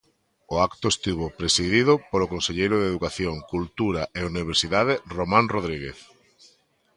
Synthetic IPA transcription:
oakt̪ʊest̪iβ̞opɾesiðiðʊpoɾokonseʎejɾʊðeðukaθjoŋkult̪uɾaʔeuniβ̞eɾsiðað̞ɪromãnroðɾiɣeθ

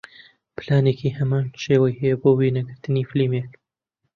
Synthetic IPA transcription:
pʰlaːneːkihɐmaːnʃeːwɐjhɛjɛboːwinɐɡɨɾt̪ɨniːflimek

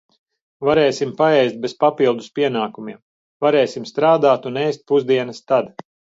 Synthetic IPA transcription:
vaɾɛːsimpaɛjst̪̚bespapilˠd̪uspiɛnaːkumiɛm | vaɾɛːsimst̪ɾaːd̪aːt̪uneːst̪̚puzd̪iɛnɐst̪ad̪

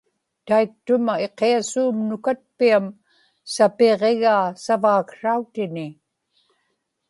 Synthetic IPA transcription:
t̪aik̚t̪ʊmae̞qeasuːmnʊkat̪̚piam | sapeʁeɣaːsavaːkʂaut̪ɪnɪ

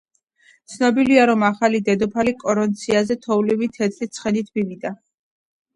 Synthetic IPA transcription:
t̪sʰnɔbiliaɾɔmaχalid̪ɛd̪ɔpʰalikʼɔɾɔnt̪sʰiazɛt̪ʰɔvlivit̪ʰɛt̪ʰʼlit̪sʰχɛnit̪ʰmivid̪a

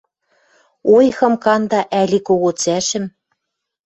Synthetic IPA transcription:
ojxɤ̆mkɑnd̪ɑʔælʲikoɣot͡sæʃɘ̆m

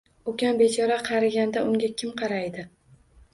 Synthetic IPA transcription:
okʲanbet͡ʃʰɒɾaqʰɑɾaɡʲand̪aʊŋɡʲakʲʰɪmqʰɑɾajd̪ɪ

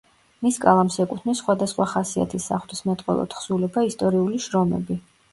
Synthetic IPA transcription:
miskʼalˠamsɛkʼut̪ʰmisːχwad̪asχwaχasia̰t̪ʰisːa̰χwlismɛt̪ʼqʼwɛ̰lˠɔ̰t̪χsulɛbaist̪ʼɔɾiuliʃɾɔmɛ̰bi

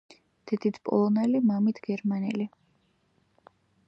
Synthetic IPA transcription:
d̪̥ɛd̪it̪ʰpʼɔ̰lˠɔnɛlimamit̪ʰɡ̥ɛɾmanɛli

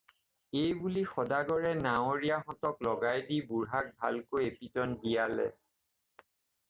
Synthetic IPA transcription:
ejbulixɔdaɡɔɹɛnawoɹiaxɔtɔklɔɡajdibuɹɦak̚bʱa̰lkojepitɔnbijalɛ̰

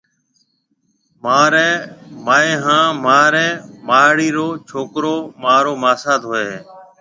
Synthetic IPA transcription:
maːɾɛ̃ːmaːẽːɦãːmaːɾɛ̃ːmaːɽiːɾoːt͡ʃʰoːkɾoːmaːɾoːmaːsaːd̪ɦoːeː

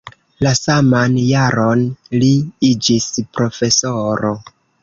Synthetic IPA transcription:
lasamanjaɾo̞nliid͡ʒispɾo̞fe̞soɾo

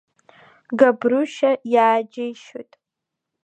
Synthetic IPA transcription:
ɡabruʃajaːd͡ʒajʃo̰jtʼ

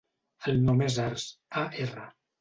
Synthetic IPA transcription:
əlnomezaɾsaerə

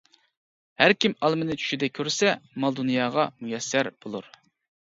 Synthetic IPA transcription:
hæɾkʲimɑlˠmɨnɪt͡ʃʰy̥ʃid̪ɛkʲʰøɾsɛmɑlˠd̪unijɑːʁɑmujɛsːæɾb̥olˠuɾ

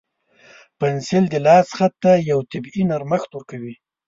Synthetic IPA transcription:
pansɪld̪əlɑsxat̪ːajawt̪abinaɾmaxt̪ʊɾkawi

